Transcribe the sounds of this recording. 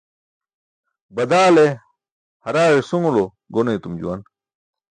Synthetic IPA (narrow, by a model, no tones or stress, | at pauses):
bɐd̪aːle | hɐɾaːɻesuŋlo | ɡoneit̪umd͡ʑṵwɐn